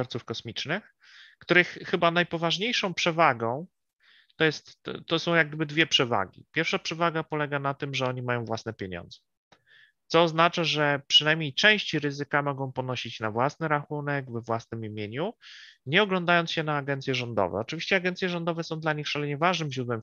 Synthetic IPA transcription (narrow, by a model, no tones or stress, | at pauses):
ɔɾt̪sufkɔsmʲit͡ʂnɘx | kt̪uɾɘxːɘbanajpɔvaʐɲejʂɔ̃w̃pʂɛvaɡɔ̃w̃ | t̪ɔjɛst̪ːɔsɔ̃w̃jaɡ̚d̪ɘbɘd̪vʲjɛpʂɛva̰ɡʲḭpʲjɛɾfʂapʂɛvaɡapɔlɛɡanat̪ɘmʐɛɔɲimajɔ̃w̃vwasnɛpʲjeɲɔ̰̃nd̪zɛ | t̪sɔːznat͡ʂaʐɛpʂɨnajmʲɲejt͡ʂɛ̃w̃ɕt͡ɕiɾɘzɘkamɔɡɔ̃w̃pɔnɔɕit͡ɕnavwasnɘɾaxunɛɡvɛvwasnɘmimʲjeɲuɲɛɔɡlɔ̃nd̪ajɔnt̪sɕɛnaːɡɛnt̪sʲjɛʐɔnd̪ɔ̰vɛ̰ɔt͡ʂvʲiɕt͡ɕɛaɡɛntsʲjɛʐɔnd̪ɔvɛsɔ̃w̃d̪laɲixʂalɛɲɛvaʐnɘmʑɾud̪wɛm